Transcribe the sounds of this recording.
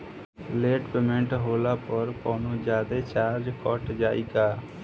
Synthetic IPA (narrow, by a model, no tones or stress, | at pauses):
leːʈpeːmẽɳʈɦoːlaːpəɾkɔːnũːd͡ʒjaːd̪eːt͡ʃaːɾd͡ʒkɔʈd͡ʒaːiːɡaː